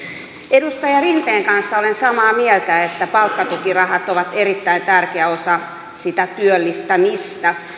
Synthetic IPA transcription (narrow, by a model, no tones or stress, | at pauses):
edust̪ɑjɑrint̪eːŋkɑnsːɑolensɑmɑːmielt̪æet̪ːæpɑlkːɑt̪ukirɑhɑt̪oʋɑt̪erit̪ːæint̪ærkeæosɑ | sit̪æt̪yølːist̪æmist̪æ